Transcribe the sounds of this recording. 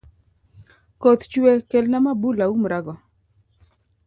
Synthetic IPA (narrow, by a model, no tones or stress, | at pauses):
kot̪t͡ʃwekelnamabulaumɾaɡɔ